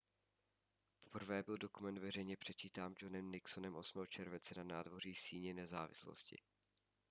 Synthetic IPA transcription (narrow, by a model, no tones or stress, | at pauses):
po̥pr̩vɛːbɪldo̞kumɛnt̪vɛrɛjɲɛpr̝̥ɛt͡ʃiːt̪aːmd͡ʒonɛmnɪksonɛmʔo̞smɛːɦot͡ʃɛɾvɛnt͡sɛnanaːdvo̞r̝iːsiːɲɪnɛzaːvɪ̰slo̰scɪ̰